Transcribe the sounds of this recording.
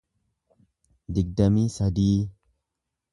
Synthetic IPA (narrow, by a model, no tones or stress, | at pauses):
d̪ɪɡ̚d̪ɐmiːsɐd̪iː